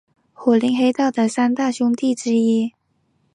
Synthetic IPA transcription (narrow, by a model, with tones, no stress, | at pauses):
xwɔ˨˩li˧˥ŋxe˥ɪt̪ɑ˥˩ʊd̪ə˩sa˥nt̪a˥˩ɕʊ˥ŋt̪i˥˩ʈ͡ʂɻ̩˥i˥